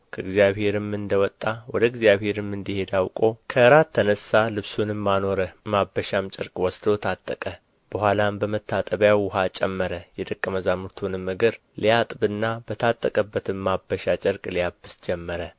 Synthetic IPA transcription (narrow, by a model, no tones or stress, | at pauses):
kʰəɨɡzijaβhe̞ɾɨmɨnd̪əwɔt̪ʼːawɔd̪əɨɡzijaβhe̞ɾɨmːɨnd̪ihe̞d̪awkʼo̞kʰəɨɾat̪ʰːənəsːalɨβsunɨmːano̞ɾəmabːəʃamt͡ʃʼɪɾkʼwɔsd̪ot̪ʰat̪ʼːəkʼə | b̥əhʷalambəmət̪ʰːat̪ʼəβjawʊɦat͡ʃʼɛmːəɾəjɛd̪əkʼːəməzamuɾt̪ʰunɨmːɨɡɨɾ | lijat̪ʼbɨnːabət̪ʰat̪ʼːəkʼəbːət̪ʰɨmːabːəʃat͡ʃʼɪɾkʼlijabɨsd͡ʒɛmːəɾə